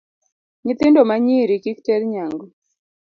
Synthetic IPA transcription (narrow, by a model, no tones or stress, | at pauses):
ɲɪt̪ɪndɔmaɲiɾikiktɛɾɲaŋɡɔ